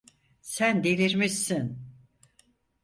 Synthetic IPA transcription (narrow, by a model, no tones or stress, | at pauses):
sænd̪elʲiɾmissin